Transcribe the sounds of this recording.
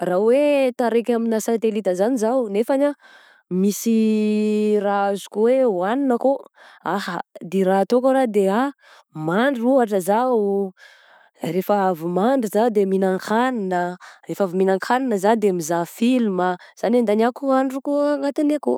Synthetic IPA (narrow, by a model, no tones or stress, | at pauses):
rawet̪aɾekʲaminasat̪elit̪əzanizawnefaɲa | misi | raazu̥kuwewaninəkoaɦad̪eɾat̪okoɾad̪ea | maɳɖ͡ʐuaʈ͡ʂəzau | refaavumaɳɖ͡ʐizad̪eminaŋkʰaninərefaviminaŋkʰaninəzad̪emizafilmə | z̥anand̪anakuanɖ͡ʐukoaŋat̪inako̰